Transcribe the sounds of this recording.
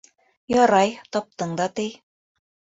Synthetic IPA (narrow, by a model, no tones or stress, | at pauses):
jɒɾɑjt̪ɒp̚t̪ɤɴd̪ɑt̪ɘj